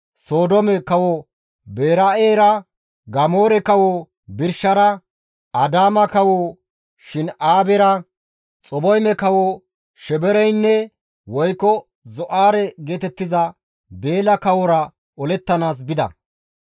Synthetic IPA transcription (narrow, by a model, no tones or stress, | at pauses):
so̞ːd̪ɔmɛkɐwɔ | be̞ːɾɐeːɾɐ | ɡɐmo̞ːɾɛkɐwo | bɪɾʃɐɾɐ | ɐd̪aːmɐkɐwo | ʃɪnaːbɛɾɐ | t͡sʼɔbɔjmɛkɐwo | ʃɛbɛɾɛjnːɛ | wɔjkːɔ | zɔʔaːɾɛɡe̞ːt̪ɛt̪ːɪzɐ | be̞ːlɐkɐwɔɾɐ | ɔlɛt̪ːɐnaːs̬bɪd̪ɐ̰